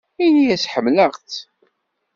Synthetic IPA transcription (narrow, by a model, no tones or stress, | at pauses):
inijæsħəmːləʁθ